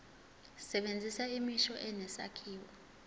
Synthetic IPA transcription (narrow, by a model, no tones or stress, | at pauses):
sɛɓend͡zʱisaimiʃɔʔɛnɛsa̰kʰiːwɔ